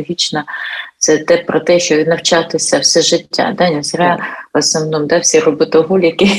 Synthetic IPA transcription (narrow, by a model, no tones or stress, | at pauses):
ɦʲit͡ʃnɐt̪sɛt̪ɛpɾɔt̪ɛʃt͡ʃɔnɐwt͡ʃɑt̪ɪsʲɐwsɛʒɪtʲːa̰d̪ɛnʲɐzɾʲaɐsnɔʋnɔmd̪ɛwsʲirɔbɪt̪ɔɦulʲjɐkɪ